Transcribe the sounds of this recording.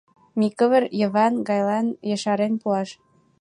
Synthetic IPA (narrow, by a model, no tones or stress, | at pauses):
mikə̆βə̆ɾjə̆βɑnɡɑjlɑnjə̆ʃɑɾenpuɑʃ